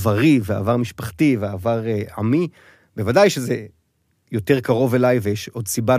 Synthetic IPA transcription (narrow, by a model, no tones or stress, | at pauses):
vaʁivea̰ːvaʁmiʃpaχtiveaːvaʁa̰mi | bevadajʃeze | jo̞te̞ʁkaʁo̞velajveʃo̞d̪siba